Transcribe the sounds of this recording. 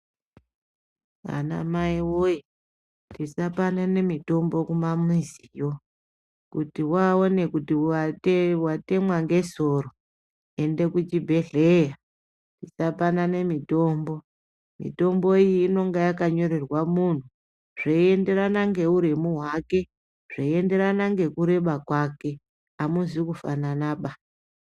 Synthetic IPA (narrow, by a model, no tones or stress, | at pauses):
a̰na̰maiwoji | tisapanane̞mito̞mbo̞kumamizijo̞ | kutiwao̞ne̞kuti | wate̞mwaŋɡe̞so̞ro | e̞nde̞kut͡ʃibʱe̞ɮe̞ja | nisapanane̞mito̞ːmbo̞ | mḭto̞mbo̞iiːno̞ŋɡajakaɲo̞ɾe̞rwamun̤u | ʐ̥eie̞nde̞ɾanaŋɡe̞uɾemuɦwake̞ | ʐ̥aie̞nde̞ɾanaŋɡe̞kuɾe̞ɓakwake̞ | amuzikufananaɓa